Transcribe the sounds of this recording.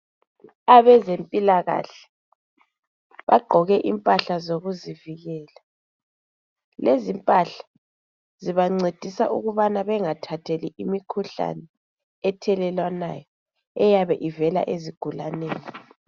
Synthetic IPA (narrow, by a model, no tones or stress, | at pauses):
aβɛzempʼilaɣa̰ɬɛ̥ | βaɡ͡ǃʱɔɣɛʔimpʼaɬazoɣuziviɣɛːla | lezimpʼaɬḁ | ziβaŋ͡ǀed̥ʱisaʔṵɣuβanaβɛŋatʰatʰeliʔimikʰuɬa̰nɛ | ɛtʰɛlɛlwana̰jɔ | ɛjaβɛʔivɛla̰ʔeziɡ̥ʱulaneːni